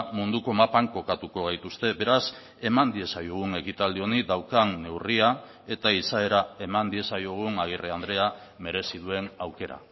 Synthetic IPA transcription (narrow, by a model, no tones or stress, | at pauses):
mund̪uko̞mapaŋko̞kat̪uko̞ɣ̞ajt̪ust̪e̞be̞ɾas | e̞mand̪ie̞sajoɣ̞une̞kit̪ald̪io̞niðawkanːe̞wria | e̞t̪aisae̞ɾae̞mand̪ie̞sajoɣ̞unaɣ̞ireand̪ɾe̞a | me̞ɾe̞siðue̞nawke̞ɾa̰